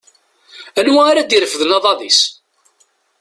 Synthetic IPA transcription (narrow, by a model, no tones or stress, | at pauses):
ænwæaɾad̪iɾəfəðənɑðˤɑðis